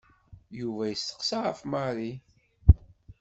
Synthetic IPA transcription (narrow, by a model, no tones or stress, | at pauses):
juvæjəsːə̥qsaʁəfmaɾi